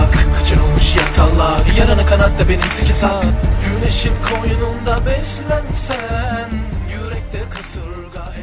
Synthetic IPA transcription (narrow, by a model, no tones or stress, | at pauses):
kʰɯ̥t͡ʃʰɯnolˠuʃjat̪ʰalˠːaɡɯjaɾanɯkʰanat̪̚d̪abenimsikʰʲɛsaɟyneʃimkʰonjunund̪abɛslʲænsænjyɾɛk̚t̪ʰɛkʰɯsɯɾɡaj